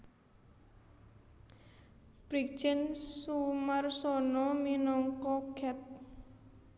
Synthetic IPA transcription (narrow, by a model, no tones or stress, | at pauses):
b̥ɾik̚d͡ʒɪnsumarsɔnɔminɔŋkɔkɛt̪̚